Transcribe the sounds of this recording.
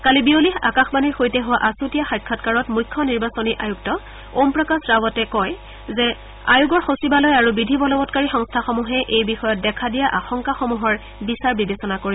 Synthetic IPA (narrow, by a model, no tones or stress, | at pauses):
kalibioliɦa̰kaxbaniɹxojtɛɦʊwaʔasutijaxajkʰːɔtkaɹɔtmujkʰːɔniɹbasoniʔajuktɔ | ompɹɔkasɹabɔtɛkɔj | zɛ | a̰juɡɔɹxosibalɔjaɹubidʱibɔlɔbɔtkaɹixɔŋstʰaxomuɦɛʔejbixɔjɔt̚dɛkʰadijaʔaxɔŋkaxomuɦɔɹ | bisaɹbibesɔnakoɹibɔ